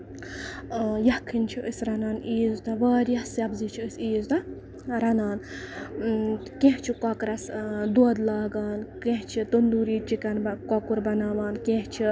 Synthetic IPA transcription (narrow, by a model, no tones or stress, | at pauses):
jɐkʰːinʲt͡ʃʰiʔəsɾɐnaːniːzt̪ɐʋaːɾʲjɐsɐbzit͡ʃʰiəsiːzt̪ɐ | ɾɐnaːn | kẽɦt͡ʃʰikɔkɾɐsd̪oːd̪laːɡaːnkẽɦt͡ʃʰit̪ond̪uːɾiːt͡ʃikɐnbɐkɔkuɾbɐnaːʋaːnkẽɦt͡ʃʰi